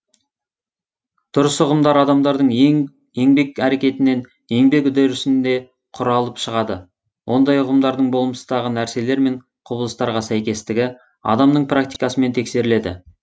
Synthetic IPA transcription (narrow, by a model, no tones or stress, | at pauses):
t̪ʰʊɾəsʊʁəmd̪ɑɾɑd̪ɑmd̪ɑɾd̪əɴeŋ | e̞ŋbe̞kæɾe̞kʲe̞t̪ɪne̞n | e̞ŋbe̞kʊd̪eɾʏsɪnd̪e̞ | qʰʊɾɑlˠəpʃəʁɑd̪ə̰ | wʔo̞nd̪ɑjʊʁəmd̪ɑɾd̪əɴbo̞lˠməsəd̪ɑʁənæɾse̞le̞ɾme̞ɴ | qʰʊbəlˠəst̪ɑɾʁɑsæjkʲe̞st̪ɪɡʲɪ | ɑ̰d̪ɑmnəɴpʰrak̚t̪i̥jkɑsəme̞nt̪ʰe̞kse̞ɾɪle̞d̪ɪ̰